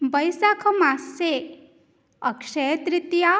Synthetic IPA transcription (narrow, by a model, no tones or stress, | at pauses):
bəjsakʰɐmase | ɐkʂet̪ɾɪt̪ja